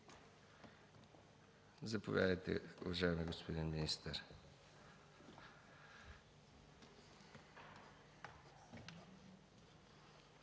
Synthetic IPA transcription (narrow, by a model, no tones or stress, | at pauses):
zɐpovʲja̰d̪əjt̪ɛ̰ʊ̰vɐʒaɛmiɡospod̪inminist̪əɾ